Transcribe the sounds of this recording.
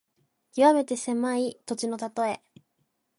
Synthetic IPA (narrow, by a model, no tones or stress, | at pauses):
kʲiβame̞t̪e̞se̞mait̪o̞t͡ɕino̞t̪at̪o̞e̞